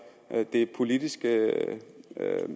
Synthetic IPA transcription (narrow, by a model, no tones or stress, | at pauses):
d̥e̝pʰo̝lidisɡ̥ə